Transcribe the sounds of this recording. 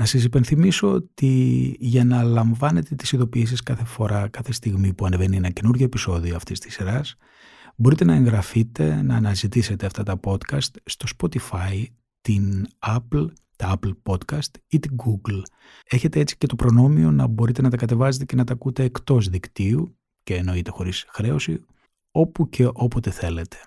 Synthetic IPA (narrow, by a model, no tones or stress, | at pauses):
nɐsɐs̬ipe̞nθimiso̞ot̪iʝɐnɐlɐɱvɐne̞t̪e̞t̪isiðo̞piːs̬iskɐθe̞fo̞ɾɐkɐθe̞st̪iɣmipuɐneve̞nienɐce̞nuɾʝo̞e̞piso̞ðioɐft̪ist̪i̥siɾɐs | bo̞ɾit̪e̞nɐe̞ŋɣɾɐfit̪e̞nɐːnɐzit̪ise̞t̪e̞ɐft̪ɐt̪ɐpo̞t̪kɐst̪st̪o̞spo̞t̪ifɐj | t̪inɐpl | t̪ɐɐplpo̞t̪kɐst̪it̪iɡuɡl | e̞çe̞t̪e̞e̞t͡si̥ce̞t̪o̞pɾo̞no̞mio̞nɐbo̞ɾit̪e̞nɐt̪ɐkɐt̪e̞vɐzet̪ece̞nɐt̪ɐkut̪e̞ːkt̪o̞zðikt̪iu | ce̞ːno̞it̪e̞xo̞ɾisxɾe̞o̞si | o̞puce̞ʔo̞po̞t̪e̞θe̞le̞t̪ʰe̞̥